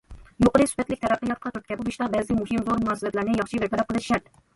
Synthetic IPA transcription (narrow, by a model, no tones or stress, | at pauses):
joqəɾɨsu̥fɛt̪lɪkʲt̪ʰɛɾæpnɨjɑt̪̚qʰɑt̪ʰyɾt̪̚kʲɛbubiʃt̪ɑbɛzɪmuhɪmzoɾmuɑːsɨlɛt̪læɾnɪjɑχʃibɛɾp̪ʰɛɾɛp̚qʰəlˠɨʃɪʃæɾt̪